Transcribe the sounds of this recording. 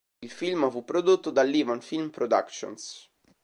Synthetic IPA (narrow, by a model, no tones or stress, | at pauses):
ilfilmfupːɾod̪ot̪ːod̪alːivanfilmpɾod̪a̰kt͡ʃo̰ns